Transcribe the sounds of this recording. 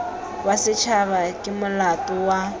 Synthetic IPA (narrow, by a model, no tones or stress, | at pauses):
wasɪt͡ʃʰaβakʼɪmʊlatʼʊwa